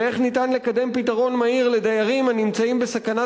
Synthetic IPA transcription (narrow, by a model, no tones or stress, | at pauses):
eχnit̪anle̞kad̪e̞mpitaʁo̞nmaiʁle̞d̪ajaʁimanimt͡saimbesakana